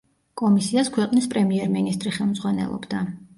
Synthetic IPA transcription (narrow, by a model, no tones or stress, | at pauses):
kʼɔmisiaskʰwɛqʼnispʼɾɛmiɛɾminist̪ʼɾiχɛlˠmdzʁwanɛ̰lˠɔ̰bd̪a